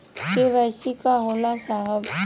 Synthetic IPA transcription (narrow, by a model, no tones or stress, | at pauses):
keʋɛːsikaɦoːlasaːɦəb